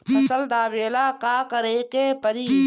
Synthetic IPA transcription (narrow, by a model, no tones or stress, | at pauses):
pʰɐsəld̪aːbeːlaːkaːkəɾekepəɾiː